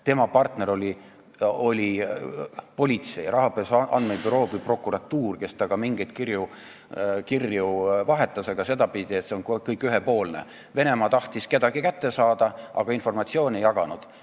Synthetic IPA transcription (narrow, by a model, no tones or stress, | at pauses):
t̪e̞mɑpɑrt̪ne̞ɾo̞lʲi | o̞lʲi | po̞lʲit̪se̞jɾɑɦɑpesɑ̰nd̪meb̥yɾo̞ːbipro̞kːuɾɑt̪ːuːrke̞st̪ɑɡ̥ɑmiŋɡejd̪kirju | kirjuvɑɦe̞t̪ːˑɑse̞ɡ̥ɑse̞d̪ɑpid̪iet̪seonkkɤjkːˑyɦepo̞ːlne̞̰ | ve̞ne̞mɑːt̪ɑht̪iske̞d̪ɑɡ̥ikæt̪ːe̞sɑːd̪ɑʔɑ̰ɡ̥ɑinfo̞rmɑt̪sio̞ːnʲe̞jːɑɡ̥ɑnud̪̥